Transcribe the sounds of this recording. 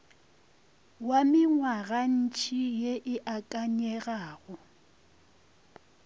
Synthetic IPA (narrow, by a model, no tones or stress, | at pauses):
wamɪŋwaɣan̩t͡ʃʰʼijeʔɪʔakʼaɲɛɣaːɣʊ